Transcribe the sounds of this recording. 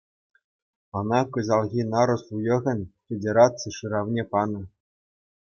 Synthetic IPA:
ɤ̆nɑkɤ̆zɑlˠɣʲinɑɾŏsujɤ̆ɣʲɘ̆nʲfʲedʲeɾɑt͡sɨjʂɯɾɑʋnʲepɑnɤ̆

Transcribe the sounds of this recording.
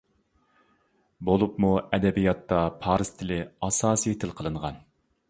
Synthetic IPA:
bolˠupmuɛd̪ɛbijɑt̪ːɑpʰɑːɾɨz̥t̪ʰɪlɪɑsɑːsijet̪ʰɪlqʰəlˠɨɴʁɑn

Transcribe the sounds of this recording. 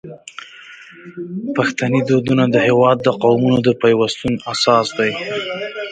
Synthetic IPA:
paxt̪anid̪od̪unad̪əhewɑd̪ːəqawmunod̪əpajwast̪unasɑsd̪aj

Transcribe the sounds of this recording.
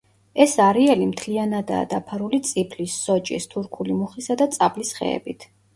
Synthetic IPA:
ɛsaɾiɛlimt̪ʰlianad̪a̰ːd̪apʰaɾulit̪sʼipʰlisːɔt͡ʃʼḭst̪ʰuɾkʰulimuχisad̪at̪sʼablisχɛ̰ɛ̰bit̪ʰ

